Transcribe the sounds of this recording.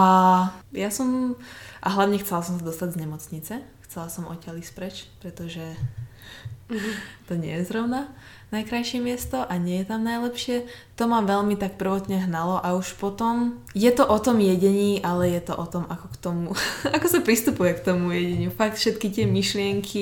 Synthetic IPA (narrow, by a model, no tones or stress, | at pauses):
ajasɔmʔaɦlaʊɲɛxt͡sɛlasɔmsad̪ɔst̪aɟzɲɛmɔt͡sɲit͡sɛxt͡sɛlasɔmɔ̰cɛlispɾɛt͡ʃpɾɛt̪ɔʒɛ | t̪ɔɲɪɛ̰jɛzɾɔʊna | najkɾajʃɪɛmɪɛst̪ɔʔaɲɪɛjɛt̪amnajlɛpʃɪɛt̪ɔmaʋɛʎmit̪akpr̩ʋɔt̪ɲɛɦnalɔʔauʃpɔt̪ɔm | jɛt̪ɔʔɔt̪ɔmjɛɟɛɲiːʔalɛjɛt̪ɔʔɔt̪ɔmakɔkt̪ɔmuakɔsapɾist̪upujɛkt̪ɔmujɛɟɛɲufakt̪fʃɛt̪kit̪ɪɛmiʃlɪɛŋkʰi